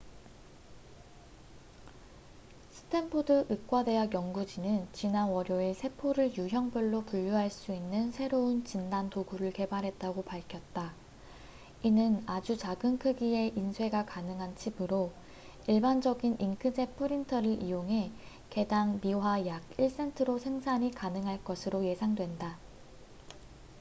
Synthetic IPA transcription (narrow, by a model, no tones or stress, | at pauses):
sʰɯ̥tʰe̞mpʰodɯʔɯk͈wade̞ɦaɡjʌŋɡud͡ʑinɯnt͡ɕinanwʌɾjoe̞sʰe̞pʰoɾɯɭjuɦjʌŋbɯɭːopuʎːuɦaɭs͈uinːɯnsʰe̞ɾount͡ɕindantoɡuɾɯɭke̞baɾɦe̞t̚t͈aɡopaɭkʰjʌt̚t͈a | inɯnad͡ʑut͡ɕaɡɯnkʰɯɡie̞ʔinsʰwe̞ɡakanɯŋɦant͡ɕʰibɯɾo | iɭband͡ʑʌɡiniŋkʰɯd͡ʑe̞pʰɯɾintʰʌɾɯɾʔijoŋɦe̞ | ke̞daŋmiwajaɡiɭs͈e̞ntʰɯɾosʰe̞ŋsʰaɲikanɯŋɦaɭk͈ʌsʰɯɾoje̞sʰaŋdwe̞nda